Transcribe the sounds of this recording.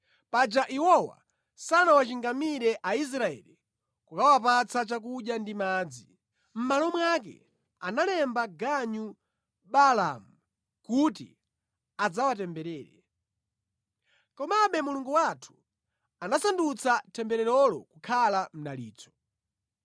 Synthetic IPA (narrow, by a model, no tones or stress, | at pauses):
pad͡ʒaʔiwɔwa̰ | sanawat͡ʃiŋɡamiɾɛʔais̬ɾaɛ̰li | kukawapat͡sʰat͡ʃak̬uʄjandimaːd͡zi | m̩malɔmwak̬ɛ̰ | analɛmbaɡaɲu | ɓala̰mu | kutḭ | ad͡zawatɛmbɛɾɛːɾɛ̰ | kɔmaɓɛmuluŋɡuwatʰu̥ | anasandut͡satʰɛmbɛɾɛɾɔlɔ̰kukʰalam̩naliːt͡sɔ̥